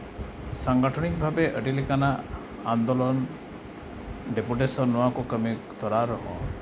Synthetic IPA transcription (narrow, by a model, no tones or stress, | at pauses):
saŋɡɔʈʰɔɽ̃ikɔbʱabeʔəʈilekanaː | nd̪olɔn | ɖepuʈesɔnːɔwakukəmit̪ʰɔɾaɾɔɦɔ̰